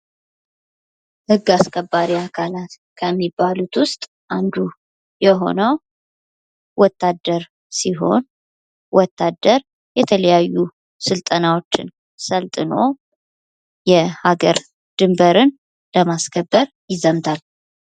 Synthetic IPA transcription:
hɨɡːaskʰəbːaɾiakʰalat̪ | kʰəmːibːalut̪wʊst̪ʼ | ʔand̪u | jɛɦo̞̰nəw | wɔt̪ʰːad̪ːəɾ | siɦo̞̰n | wɔt̪ʰːad̪əɾ | jɛt̪ʰələjajːu | sɨlt̪ʼənawo̞t͡ʃːɪ̰n | səlt̪ʼɨno̰ | jɛhaɡəɾ | d̪̥ɨmbəɾɨn | ləmaskʰəbːəɾ | jɪzəmt̪ʰal

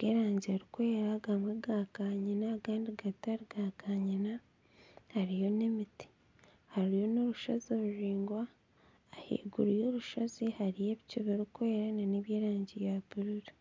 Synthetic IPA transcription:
ɡeːɾaːɲɟiaɾukoeɾaɡamweɡakaɲinakaːndiɡataɾiɡakaɲina | haɾijo̞ne̞miti̥ | haɾijo̞no̞ɾuʃazoɾuɾiːŋɡwaː | hḭːɡuɾujo̞ːɾuʃazihaɾijeβicuβeɾukoeɾananeβjeːɾaːɲɟijaβuɾuɾi

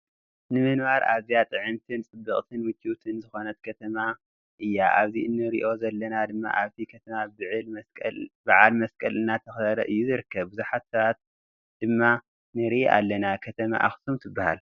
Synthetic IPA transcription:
nɨmɨnβaɾʔa̰βzijat̪ʼɨʕɨmt̪ʰɨnt͡sʼɨbːɨχʼt̪ʰɨnwɨt͡ʃʰːit̪ʰɨnzɨxo̞nɐt̪kʰɐt̪ʰɐma | ʔɨjːaʔaβziɨnːɨɾḭʔo̞zɐlːɐnad̪ɨmːa̰ʔaβt̪ʰikʰɐt̪ʰɐmabɨʕɨlkʼlbaʕalmɐskʼɐlɨnːat̪ʰɐxɐɾɐʔɨjːuzɨɾɨkʰːɐβbɨzuħat̪sɐβat̪̚ | d̪̥ɨmːa | nɨɾiʔʔa̰lːɐnakʰɐt̪ʰɐma̰ʔaxt̪ʰumt̪ʰɨbːahal

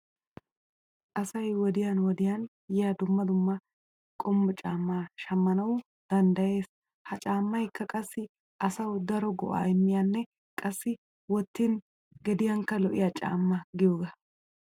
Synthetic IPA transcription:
ʔɐsɐjwɔd̪ɪjanwɔd̪ɪjan | jɛjad̪ʊmːɐd̪ʊmːɐ | kʼɔmːʊt͡ʃʼaːmːaʃɐmːɐnɐwʊ | d̪̥ɐnd̪ɐje̞ːs | hɐt͡ʃʼaːmːɐjkːɐkʼɐsːɪ | ʔɐsɐwd̪ɐɾɔɡɔ̰ʔa̰ːɛmːɪjanːɛ | kʼɐsːɪ | wɔt̪ːin | ɡɛd̪ɪjɐŋkɐlɔʔɪjɐt͡ʃʼa̰ːmːɐɡɪjoːɡɐ

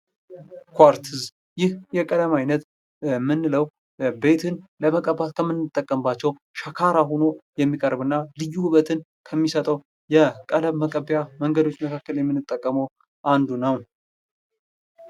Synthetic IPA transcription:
kʰʷaɾt̪ʰɨz | jɪhjɛkʼələmajnət̪ | mɨnːɨləw | be̞t̪ʰɨnləməkʼəbat̪kʰəmːɨnːɨt̪ʼːəkʼːəmbat͡ʃːɛw | ʃakʰaɾaɦono̞jɛmːikʼəɾbɨnːalɨjːuβət̪ʰɨn | kʰəmːisət̪ʼəw | jɛkʼələmːəkʼəbjaməŋɡəd̪o̞t͡ʃːməkʰakːəljɛmːɨnːɨt̪ʼːəkʼːəməw | ʔand̪unəw

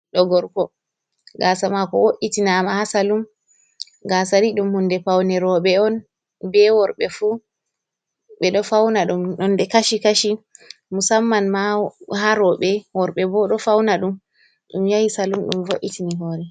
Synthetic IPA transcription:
ɗɔɡɔɾkɔ | ɡaːsamakɔ̰woʔitinaːmahasalum | ɡasaɾiɗumhundɛpawnɛɾɔɓɛɔn | bɛwɔɾɓɛfu | ɓɛɗɔfawnaɗumɗɔndɛkaʃikaʃimusamːanmaɦaɾɔɓɛwɔɾɓɛbɔɗɔfawnaɗum | ɗumjajisalumɗṵmvoʔːitiniɦɔːɾɛ

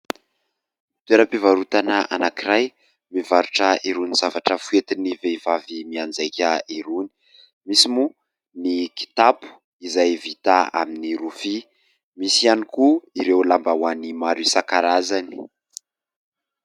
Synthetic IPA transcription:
t̪weɾəpivaɾut̪anaʔa̰nakiɾaj | mivaɾuʈ͡ʂəiɾunizavaʈ͡ʂəfuet̪iniveivavimiand͡zajkʲəiɾuni̥ | misimu | niki̥t̪apu̥ | izajvit̪aa̰miniɾufi | misianikuiɾewlambawanimaɾisakaɾazani̥

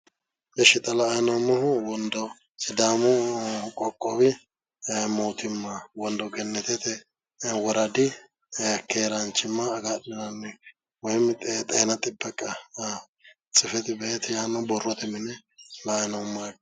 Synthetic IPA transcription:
bɛʃɪt̪ʼɐlɐːjnɔmʊhʊwɔnd̪ɔ | sɪd̪aːmʊkʼɔkʼːɔbɪ | moːt̪ɪmːawɔnd̪ɔɡɛnːɛt̪ɛt̪ɛ | wɔɾɐd̪ɪ | kʰeːɾɐnt͡ʃːɪmːɐːɡadɪnɐnːɛ | wɔjmɪt̪ʼt̪ʼɛːnɐt̪ʼɪbːɛkʼːɐ | t͡sʼɪfɛt̪ɪbɛɛt̪ɪjaːnɔbɔrːɔt̪ɛmɪnɛlɐjnɔmːɔk

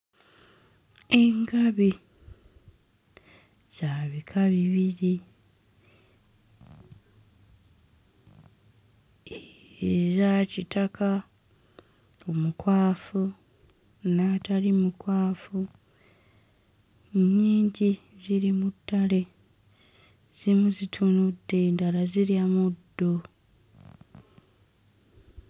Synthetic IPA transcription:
e̞ŋɡaβi | z̥aːβikʰaβiβiɾi | zacitakʰa | omukwaːfu | natalimukwaːfu | ɲːiːɲɟi | ziɾimutːale̞ | z̥imuzitʰunudːendalaziɾiamudːo

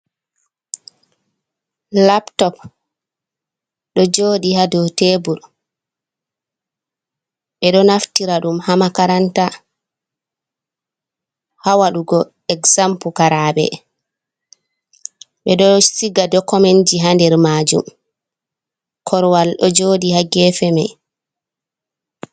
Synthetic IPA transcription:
laptɔp | ɗɔd͡ʒoːɗihadɔtebul | ɓɛɗɔnaftiɾaɗumhamakaɾanta | hawaɗuɡɔ | ɛɡzampukaɾaɓɛ̰ | ɓɛɗɔsiɡadɔkɔmɛnd͡ʒiɦandɛɾmaːd͡ʒṵm | kʰɔɾwalɗɔd͡ʒoːɗihaɡɛːfɛma̰j

